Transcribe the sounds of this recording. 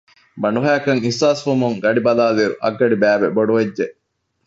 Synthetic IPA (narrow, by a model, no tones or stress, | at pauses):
bɐɳuɦæːkɐŋisːaːsfumuŋɡɐɖibɐlaːliɾṵʔɐɡːɐɖibæːʋeboɖuʋed͡ʒʒe